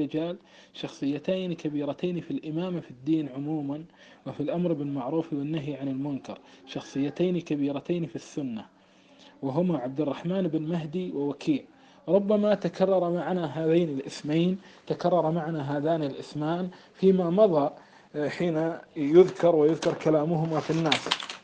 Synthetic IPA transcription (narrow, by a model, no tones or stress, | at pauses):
ɪd͡ʒaːl | ʃɑxsˤɨjːat̪aːnikabiːɾat̪aːnifilʔɪmaːmafid̪ːiːnʕʊmuːman | wɪfilʔamɾɪbɪlmaʕɾuːfiwɪnːaɦiʕanɪlmʊnkɑ̰ɾˤʃɑxsˤɨjːat̪aːnikabiːɾat̪aːnifisːʊnːa | wɪɦʊmaʕab̚d̪ɪrˤːɑħmaːnɪbɪnmaɦd̪iwɪwakʰiːʕ | ɾˤʊbːamat̪akʰɑrˤːɑɾˤɑmaʕanaɦaːðaːnɪlʔɪsmajnt̪akɑrˤːɑɾˤɑmaʕanaɦaːðaːnɪlʔɪsmaːnfiːmamɑðˤɑ | ħiːnajʊðkɑɾˤwɪjʊðkɑɾˤkalaːmʊɦʊmafinːaːs